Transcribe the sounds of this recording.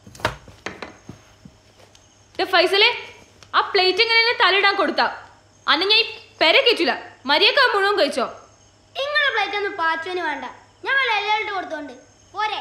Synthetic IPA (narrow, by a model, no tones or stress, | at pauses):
d̪efɐjsɐle | aːpɭejtːeŋːɐnenːet̪ɐliɽaːnko̞ɽut̪ːaː | ɐnːeɲaːnpeɾekːetːulːɐmɐɾijokːaːmuɳɐʋɐmkɐɻit͡ɕːoː | niŋːɐɭepɭejtːenːɨpaːtːuʋɐnuʋeːɳɖɐ | ɲaːʋɐɭelːaːiʈːɨkoɽut̪̬ːoːɳɖɨ | poːɾe